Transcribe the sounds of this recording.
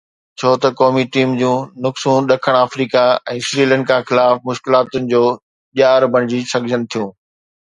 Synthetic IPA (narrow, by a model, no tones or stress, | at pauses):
t͡ɕʰoːt̪ɐkɔːmiʈiːmd͡ʑũːnʊksũːɗɐkʰəɽ̃aːfɾiːkaɛ̃ːsɾiːlə̃ːɳɖkʰãːxɪlaːfmʊʃkɪlaːt̪ʊnɪ̆d͡ʑoː | ʄaːɾbʱɐɽ̃ɪd͡ʑisɐɡʱd͡ʑʱənɪ̆t̪ʰijũː